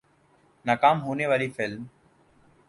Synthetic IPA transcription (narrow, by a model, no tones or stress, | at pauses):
nakaːmɦuːneʋaːɾiːfɪlm